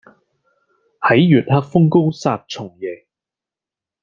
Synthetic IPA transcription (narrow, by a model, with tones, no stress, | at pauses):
hɐ˨˥jːyː˨t̚haː˧k̚fʊ˥ŋko˥wsaː˧t̚t͡sʰʊ˨˩ŋjɛː˨˩